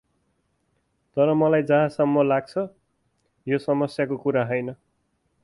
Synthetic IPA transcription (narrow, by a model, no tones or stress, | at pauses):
t̪ʌɾʌmʌlajd͡zʌ̃ɦãsʌmːʌlaɡ̚t͡sʰʌ | josʌmʌsjakokuɾaɦʌjnʌ